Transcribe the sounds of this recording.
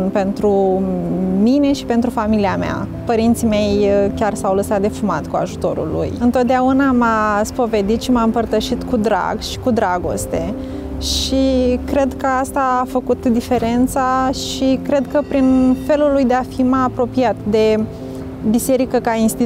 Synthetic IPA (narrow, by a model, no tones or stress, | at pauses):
npe̞nt̪ɾu | mine̞ʃi̥pe̞nt̪ɾufamiliamea̰ | pəɾint̪sime̞jkʲarsawləsat̪̚d̪e̞fumat̪kua̰ʒut̪o̞̰ɾṵlṵjɨnt̪o̞t̪̚d̪eaunamaspove̞d̪it̪ʃimaɨmpərt̪əʃit̪kud̪ɾa̰ɡʃi̥kud̪ɾaɡo̞̰st̪e̞ | ʃikɾe̞d̪kəast̪aːfəkut̪d̪ife̞ɾe̞nt̪saʃikɾe̞d̪kəpɾinfe̞lulujd̪e̞afimajapɾo̞piat̪d̪e̞ | bise̞ɾikəkainst̪i